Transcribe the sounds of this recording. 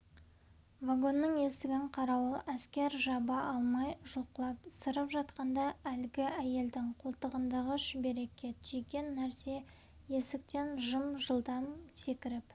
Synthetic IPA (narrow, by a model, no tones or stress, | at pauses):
vaɡo̞nːəŋe̞st̪ɪɡʲɪɴqʰɑɾɑwəlˠæskʲe̞ɾʒɑbɑʔɑlˠmɑjʒoqəlˠɑpsəɾəpʒɑt̪qɑnd̪ɑælɡʲɪæje̞ld̪ɪŋqʰolˠt̪əʁənd̪ɑʁəʒɪbe̞ɾe̞kʲʰe̞t̪ʒ̥ijkʲe̞nːæɾse̞ | je̞sɪk̚t̪e̞nʒəmʒəlˠd̪ɑmse̞kʲɪɾɪp